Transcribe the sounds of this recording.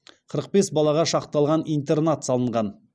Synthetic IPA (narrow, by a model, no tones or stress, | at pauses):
qʰəɾəq̚be̞sbɑlˠɑʁɑʃɑqt̪ɑlˠʁɑnijnt̪ernat̪sɑlˠəɴʁɑn